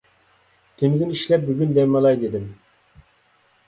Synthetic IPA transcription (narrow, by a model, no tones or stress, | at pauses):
t̪ʰyŋɡʲyniʃlɛp̚byɡʲynd̪ɛmɑlˠɑjd̪ed̪ɪm